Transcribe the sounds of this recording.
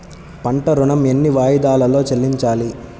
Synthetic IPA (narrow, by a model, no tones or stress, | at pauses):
pɐɳʈɐɾuɳɐme̞nːiʋaːjid̪aːlɐlo̞ːt͡ʃelːiɲt͡ʃaːli